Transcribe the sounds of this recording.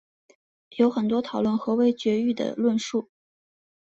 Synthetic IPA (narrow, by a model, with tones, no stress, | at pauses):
jo˧˥ʊxə˨˩nt̪wɔ˥t̪ʰɑ˨˩ʊlwə˥˩nxɤ˧˥we˧˥ɪt͡ɕɥɛ˧˥y˥˩d̪ə̰˩lwə˥˧nʂu˥˩